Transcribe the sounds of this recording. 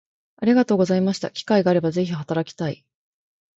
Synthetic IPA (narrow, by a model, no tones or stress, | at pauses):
aɾʲiɡat̪o̞ːɡo̞zaimaɕi̥t̪a̰kʲi̥kaiɡaaɾe̞baze̞çiɦat̪aɾakʲi̥t̪aḭ